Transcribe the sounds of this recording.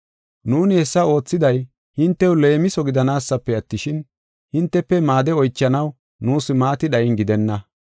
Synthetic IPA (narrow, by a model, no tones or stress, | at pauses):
nuːnɪhɛsːɐo̞ːt͡sːɪd̪ɐj | hɪnt̪ːɛwle̞ːmɪsɔɡɪd̪ɐnaːsːɐpːɛɐt̪ːɪʃɪn | hɪnt̪ːɛpːɛmaːd̪ɛɔjt͡ʃːɐnɐw | nuːsɪmaːt̪ɪɗɐjɪnɡɪd̪ɛnːɐ